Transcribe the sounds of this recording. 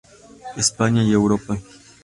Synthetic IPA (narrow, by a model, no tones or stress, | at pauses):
ispaɲjaiɛwɾɔpɘ